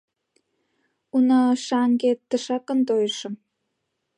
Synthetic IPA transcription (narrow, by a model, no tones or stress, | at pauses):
unəʃɑŋɡet̪ːəʃɑkə̆nt̪ojəʃə̆m